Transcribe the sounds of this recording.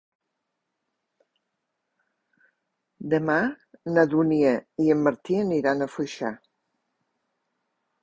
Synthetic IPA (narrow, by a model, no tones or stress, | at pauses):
d̪əma | nəðuniəiəmːəɾt̪iəniɾanəfujʃa̰